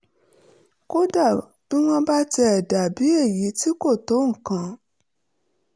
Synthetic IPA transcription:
ko˦da˦˨ | b̥i˦w̃ɔ̃˧ba˦tːda˨bi˨˦e˦˨ji˨˦ti˦ko˦˨to˨˦ŋ̩˦˨kã˨˦

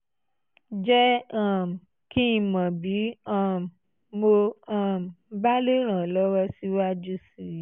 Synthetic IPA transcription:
d͡ʒɛ˦ã˦˨m̩˨ | kĩ˦˨mã˨bi˨˦ã˦˨ | mo˧a˦˨m˨ba˦le˦ɾ̃ã˨lɔ˦wɔ˧si˦wa˦d͡ʒu˦si˨ɾ

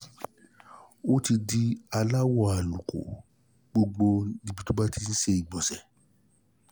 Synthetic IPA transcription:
o˦ti˧di˧a˧la˦wɔ˦˨a˨lu˨ko̰˨ | ɡ͡bo˧ɡ͡bo˧˦dĩ˧bi˧to˦ba˦ti˧n̩˦se˧i˨ɡ͡bɔ˨sɛ˨

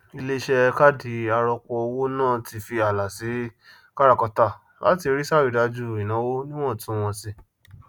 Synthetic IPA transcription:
i˧le˦˧ʃɛ˧ka˦di˨˦a˧ɾɔ˧kɔ˧o˧wo˦nãː˦˨ti˨˧fi˧a˨la˨si˨˦ | ka˦ɾa˦˨kɔ˧ta˦˨ | la̰˨˦ti˧ɾi˦sa˦˨wi˨da˧d͡ʒu˦˨i˨nã˨˦wo˦nĩ˦w̃ɔ̃˦˨tũ˦w̃ɔ̃˧si˧

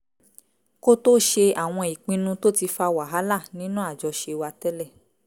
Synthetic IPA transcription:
ko˦to˦ʃe˧a˨w̃ɔ̃˧i˨k͡pĩ˧nũ˧to˦ti˧fa˧wa˨ɦa˨˦la˦˨nĩ˦nũ˦a˦˨d͡ʒɔ˧ʃe˧wa˧tɛ˦lɛ˦˨

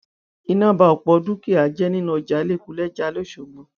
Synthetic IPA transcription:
i˧nã˦˨ba˧ɔ˨k͡pɔ˧du˦ke˦˨a˨˦d͡ʒɛ˦nĩ˦nũ˦˧˨d͡ʒa˨˦le˦˨ku˨˦lɛ˦d͡ʒa˧˦lo˦˨ʃo˨ɡ͡bɔ̃˨˦

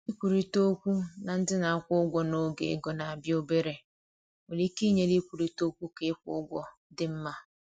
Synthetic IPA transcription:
i˦kʷu˨ɾi˦to˦kʷu˦na˨n̩˦dɪ˦na˨a˦kʷʊ˦ɡʷɔ˦no˦ɡḛ˨˦ɡɔ˨na˨bjo˦be˦ɾe˨ | o˨li˦ki˦ɲe˨li˦kʷu˨ɾi˨to˦kʷu˦ke˦kʷʊ̰˦ɡʷɔ˦ | dɪ˦m̩˦ma˦

